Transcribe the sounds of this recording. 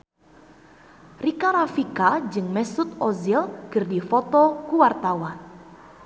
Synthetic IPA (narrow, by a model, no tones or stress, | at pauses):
rikaɾafikad͡ʒɨŋmɛsut̪̚ɔzilkɨrdifɔt̪ɔkuwart̪awan